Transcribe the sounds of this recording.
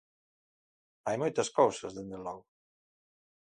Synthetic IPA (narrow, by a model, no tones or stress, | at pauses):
ajmojt̪ɐskowsɐzðend̪elɔɣʊ